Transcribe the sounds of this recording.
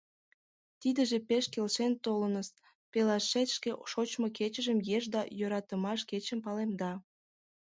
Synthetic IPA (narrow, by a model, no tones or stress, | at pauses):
t̪id̪əʒepeʃkelʃent̪olənəs | pelɑʃːet̪ʲʃkeʃot͡ɕmoket͡ɕə̆ʒə̆mjeʒd̪ɑjøɾɑt̪əmɑʃket͡ɕə̆mpɑlemd̪ɑ